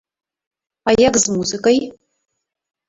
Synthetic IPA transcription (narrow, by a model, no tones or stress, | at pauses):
ajaɡzmuzɨkʼaj